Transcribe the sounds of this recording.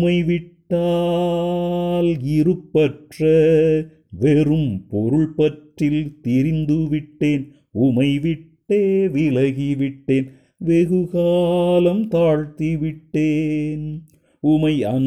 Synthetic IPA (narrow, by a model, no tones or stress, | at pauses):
mɐɪʋɪʈːaː | lɪɾɯpːɐʈrɐ | ʋɛɾɯmpɔɾɯɭpɐʈrɪlt̪ɪɾɪnd̪ɯʋɪʈːeːn | ʊmɐɪʋɪʈːeːʋɪɭɐɣiʋɪʈːeːn | ʋeɣɯɣaːlɐmt̪aːɻt̪iʋɪʈːeːn | ʊmɐɪɐn